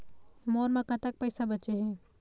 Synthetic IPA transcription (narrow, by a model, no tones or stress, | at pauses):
moːɾmãkɐt̪ək̚pəɪsabət͡ʃeɦɛ̃ː